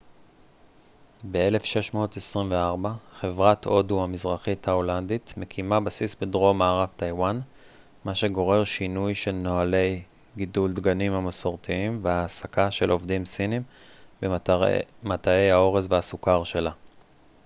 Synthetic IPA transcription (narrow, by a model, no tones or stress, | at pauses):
be̞e̞le̞fʃe̞ʃmo̞ːtesʁimve̞aʁbaχe̞vʁatʰo̞duamizʁaχitʰhaoland̪itme̞kʰimabasisbedʁo̞maːʁaftajwan | maʃe̞ɡo̞ʁe̞ʁʃinujʃelno̞ale̞j | ɡiduld̪ɡanimhamasoʁt̪iimveaːsakaʃe̞lʔo̞vdimsinim | be | matae̞jao̞ʁezveasukaʁʃe̞la